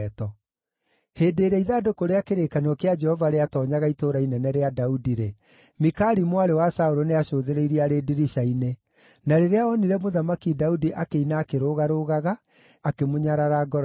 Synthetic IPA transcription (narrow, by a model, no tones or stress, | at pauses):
tɔ | heːdeːɾɛiðaːdokoɾeakeɾekanɔkead͡ʒɛhɔvaɾeatɔːɲaɣaitoɾainɛnɛɾeadaudiɾe | mikaɾimwaɾewasaoɾoneaɕoːðeɾeiɾiaɾediɾiʃaine | naɾeɾeaɔniɾɛmoðamakidaudiʔakeinaːkeɾoɣaɾoɣaɣaː | kemoɲaɾaɾaɡɔɾ